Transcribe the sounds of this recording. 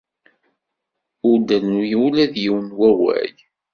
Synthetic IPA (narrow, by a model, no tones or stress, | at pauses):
ʊɾd̪ælnujwlæðjiwənwæwæ̰j